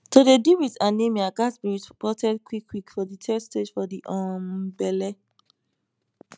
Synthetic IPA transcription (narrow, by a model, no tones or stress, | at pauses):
todediwitãnemiakasbiispɔtʰɛd̚kʰwikʰːwikfɔditʰɛsted͡ʒfɔdiʔɔ̃mbɛlɛ